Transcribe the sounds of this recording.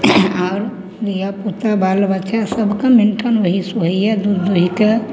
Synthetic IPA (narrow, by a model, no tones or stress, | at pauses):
aːɾ | lijaput̪abalʋət͡ʃasəbʱkamɪnʈʰənʋəɦisuɦiɛd̪ud̪oɦike